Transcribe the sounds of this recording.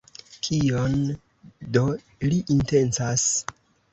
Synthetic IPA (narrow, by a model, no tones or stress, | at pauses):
kʰion | do̞ | liʔinte̞nt͡sas